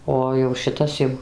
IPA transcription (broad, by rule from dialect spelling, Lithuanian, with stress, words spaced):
ˈoː jɛʊ ʃʲɪˈtɐs jɛʊ